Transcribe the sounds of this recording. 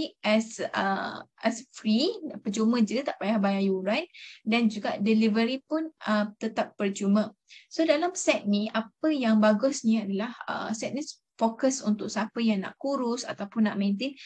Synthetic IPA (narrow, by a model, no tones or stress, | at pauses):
iʔɛsə̰ʔɛsfɾipəd͡ʒumə̃d͡ʒət̪aʔpajahbajajuɾajt̪̚dand͡ʒuɡaʔdilivəɾipʊnət̪ət̪apːərd͡ʒumə̃ | sodalamsɛt̪̚niʔapəjaŋbaɡʊsnĩadalahə̰sɛt̪̚nis | fokəsunt̪ʊk̚sapəjaŋna̰ʔkuɾʊsa̰t̪awpʊnːaʔmẽnt̪en